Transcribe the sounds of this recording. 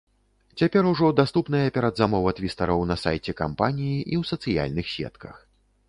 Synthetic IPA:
t͡sʲapʲɛɾuʐɔd̪ast̪upnɐjɐpʲɛɾɐd̪zamɔvɐt̪vʲist̪ɐɾɐwnɐsa̰jt͡sʲɛka̰mpanʲijiʔiwsɐt̪sɨja̰lʲnɨxsʲɛ̰t̪kɐ̰x

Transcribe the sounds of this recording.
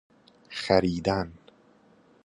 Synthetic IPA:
xæɾiːd̪æn

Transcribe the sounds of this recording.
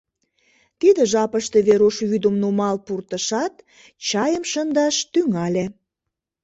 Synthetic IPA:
t̪id̪əʒɑpəʃt̪e̽βeɾoʃβyd̪əmnumɑlpurt̪əʃɑt̪ | t͡ɕɑjəmʃənd̪ɑʃt̪yŋɑlʲe

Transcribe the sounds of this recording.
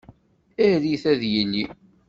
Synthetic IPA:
æðiθæðjənːi

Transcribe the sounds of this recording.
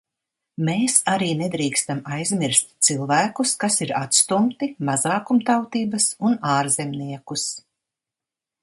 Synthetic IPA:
meːsaɾiːnɛd̪ɾiːkst̪amajzmʲiɾst̪ʲt̪silˠvæːkuskasiɾat̪st̪umt̪imazaːkumt̪awt̪iːbɐsunaːɾzemniɛkus

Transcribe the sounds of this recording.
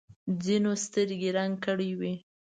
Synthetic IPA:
d͡zinost̪əɾɡeɾaŋɡkəɽiwi

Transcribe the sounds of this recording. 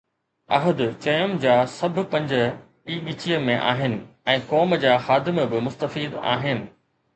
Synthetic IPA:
ɐɦəd̪t͡ɕɐjəmd͡ʑaːsɐbʱʊ̆pɐ̃ɲd͡ʑə̆ | iːɓit͡ɕijəmẽʔa̰ːɦɪnɪ̆ɛ̃ːkɔːmd͡ʑaːxaːd̪ɪmbɪmʊst̪əfiːd̪a̰ːɦɪnɪ̆

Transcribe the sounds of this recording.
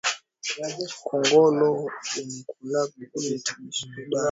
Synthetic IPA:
kʰɔŋɡɔlɔumikulaa

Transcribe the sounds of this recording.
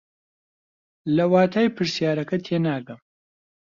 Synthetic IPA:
lɐwaːt̪ʰaːjpʰɨɾsjaːɾɐkɐt̪ʰenaːɡɐm

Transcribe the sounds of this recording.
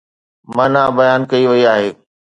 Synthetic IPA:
mɐ̃naːbɐjaːnkɐiʋɐiaːɦeː

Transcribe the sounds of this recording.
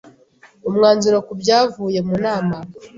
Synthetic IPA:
umŋaːnzuɾokubɟaːvuːje̞munaːma

